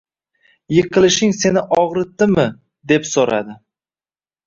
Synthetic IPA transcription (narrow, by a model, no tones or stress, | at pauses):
jɨqʰɨlˠɪʃɪŋse̞nɪʔɒʁɾɪt̪ːɪmɪ | d̪e̞psoɾa̰d̪ɪ